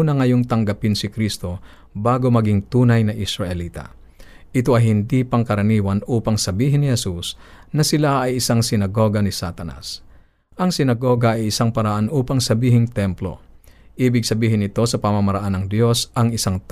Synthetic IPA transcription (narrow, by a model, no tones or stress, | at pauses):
nɐŋɐjoŋt̪ɐŋɡɐpɪnsɪkɾist̪o̞ | baːɡo̞mɐɡɪŋt̪uːnɐjnɐʔɪsɾɐʔɛliːt̪a̰ | ʔɪt̪o̞ʔɐjɦɪnd̪ipɐŋkɐɾɐniːwɐnʔuːpɐŋsɐbiːɦɪnɪhɛsusnɐsɪlaʔɐjɪsaŋsɪnɐɡo̞ɡɐnɪsat̪ɐna̰s | ʔɐŋsɪnɐɡo̞ːɡɐɐjɪsaŋpɐɾɐʔanʔuːpɐŋsɐbiːɦɪŋt̪ɛmplo̞̰ʔiːbɪɡ̚sɐbiːɦɪnɪt̪o̞sɐpɐmɐmɐɾɐʔanɐŋd̪jo̞sʔɐŋɪsaŋt̪